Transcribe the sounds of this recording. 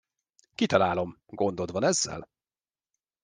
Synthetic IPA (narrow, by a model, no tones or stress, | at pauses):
kit̪ɒlaːlo̞m | ɡo̞nd̪o̞d̪ʋɒnɛzːɛ̰l